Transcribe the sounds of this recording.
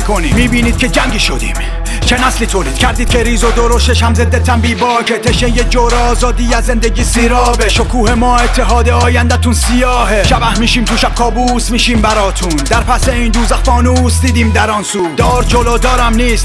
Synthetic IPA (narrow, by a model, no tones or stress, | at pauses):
kʰonḭmiːbiːniːd̪̥̚cʰe̞d͡ʒæŋɟiːʃod̪ḭːm | t͡ʃʰenæsliːt̪ʰoːliːd̪cʰæɾd̪iːd̪kcʰe̞ɾiːzod̪oɾoʃt̪eʃhæmzed̪et̪ʰæmbiːbɒːcʰet̪ʰeʃejed͡ʒoɾeɒːzɒːd̪iːjæzzːend̪eɟiːsiːɾɒːbeʃokʰuːhemɒːet̪ʰːeɦɒːd̪eɒːjænd̪æt̪unsijɒːɦeʃæbæhmiːʃiːmt̪ʰuʃæb̥̚kʰɒːbuːsmiːʃiːmbæɾɒːt̪ʰund̪æɾpʰæseiːnd̪uːzæxfɒːnuːsd̪iːd̪iːmd̪æɾɒːnsuːd̪ɒːɾd͡ʒoloːd̪ɒːɾæmniːst̪